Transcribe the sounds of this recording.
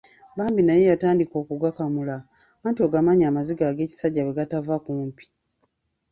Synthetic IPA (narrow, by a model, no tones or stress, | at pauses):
baːmbinaje̞jataːndiko̞ːkuɡakamula | maːntoɡamaɲaːmaziɡaːɡe̞ːci̥saɟːaβwe̞ɡatavakuːmpi̥